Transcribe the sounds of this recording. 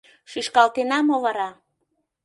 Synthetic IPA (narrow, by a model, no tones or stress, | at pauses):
ʃyʃkɑlt̪enɑmovəɾɑ